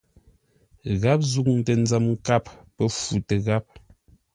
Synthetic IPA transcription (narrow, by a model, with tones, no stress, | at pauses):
ɣa˦p̚zu˦k̚n̩˨tə˨n̩˦d͡zə˨mŋ˦ka˦˨p̚pə˦fu˨te˨ɣa˦p̚